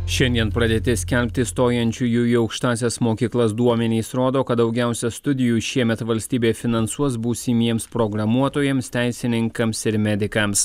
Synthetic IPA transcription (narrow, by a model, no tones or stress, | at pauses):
ʃʲɛnʲd̪ʲiɛnpɾɐd̪ʲeːt̪ʲɪsʲkʲɛlʲpʲt̪ʲɪst̪oːjɛnʲt͡ʃʲuːjuːiɒʊkʃt̪ɑːsʲɛsmoːkʲiːklˠɐsd̪uɔmʲɛnʲiːsɾoːd̪oːkɐt̪d̪ɒʊɡʲæˑʊsʲɛst̪ʊd̪ʲɪjuːʃʲiɛmʲɛt̪ʋɐlʲsʲt̪ʲiːbʲeːfʲɪnɐnsuɔsbuːsʲimʲiɛmspɾoɡɾɐmuɔt̪oːjɛmst̪ʲæˑɪsʲɪnʲɪŋkɐmsɪɾmʲɛd̪ʲɪkɐms